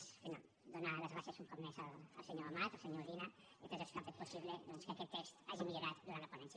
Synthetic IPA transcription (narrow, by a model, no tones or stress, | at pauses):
sfina̰ | d̪onalɐzɣɾasjasumpɔt̪mesalːlˠseɲoɾamat̪alˠseɲoɾɾina | it̪ot̪esk̪ampet̪̚posiβleðɔnskakɛt̪ːest̪aʒimiʎoɾat̪d̪uɾanlɐponɛns